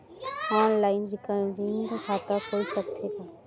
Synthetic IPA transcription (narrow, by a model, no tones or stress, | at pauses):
ɔːnlaːɪnɾɪkəɖɪŋɡɡkʰaːt̪akoːisəkt̪ʰekaː